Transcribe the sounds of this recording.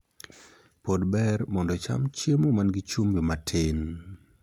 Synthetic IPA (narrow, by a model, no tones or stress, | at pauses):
podbɛrmɔndɔt͡ʃa̰mt͡ʃemomanɡit͡ʃumbɪmatʰɪn